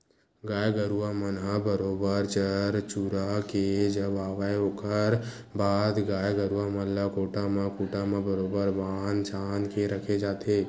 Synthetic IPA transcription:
ɡaːjɡəɾuamənɦabəɾoːbəɾt͡ʃəɾt͡ʃuːɾaked͡ʒəbaːʋaːjoːkəɾ | baːd̪ɡaːjɡəɾuamənlakoːʈamãkuːʈamãbəɾoːbəɾʋaːnt͡ʃʰaːnkeɾəkʰed͡ʒaːt̪ʰeː

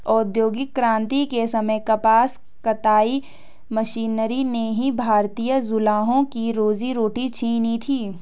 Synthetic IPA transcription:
ɔːd̪joːɡɪkːɾãːnt̪ikesɐməjkɐpaːs | kɐt̪aːi | mɐʃiːnɾineɦibʱaːɾt̪iːjəzʊlaːɦõkiɾoːziɾoːʈit͡ʃʰiːnit̪ʰiː

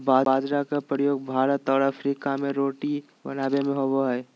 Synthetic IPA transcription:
baːaːd͡ʒɾakapɾəjoːɡ̚bʱaːɾət̪ɔːɾəfɾiːkamẽɾoːʈi | bɐ̰naːbemẽɦoboɦɛ

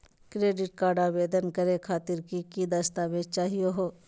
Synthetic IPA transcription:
kɾeːɖɪʈ̚kaːɾɖabeːd̪ənkəɾekʰaːt̪ɪɾkikid̪əst̪amẽt͡ʃaːɦijoɦoː

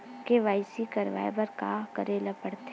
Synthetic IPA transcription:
keʋaːɪsikɐɾʋa̰ːebɐɾkaːɦkəɾeːlapəɽt̪e

